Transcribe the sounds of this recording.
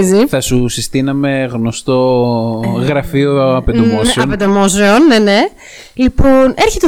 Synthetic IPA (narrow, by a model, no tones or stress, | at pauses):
ziθɐsusist̪inɐme̞ɣno̞st̪o̞ | ɣɾɐfioɐped̪omosɾeɐoped̪omosɾeonːene̞ | lipone̞ɾçe̞t̪e